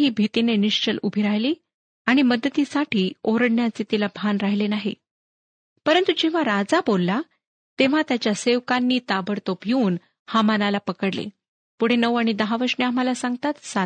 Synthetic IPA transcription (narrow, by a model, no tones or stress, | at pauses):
ɦiːbʱit̪ineniʂt͡ɕəlubʱiɾajliː | aɽ̃iməd̪ət̪isaʈʰiːoɾəɽnjat͡set̪ilabʱanɾaɦilenaɦḭ | pəɾənt̪ud͡ʑeʋ̤aɾad͡zabolːa | t̪eʋ̤at̪jat͡ɕjaseʋkanːiːt̪abəɽt̪opjuːn | hamanalapəkəɽlḛ | puɽ̤enəʋaɽ̃id̪əɦaʋəɾʂɳeam̤alasãŋɡ̚t̪at̪sa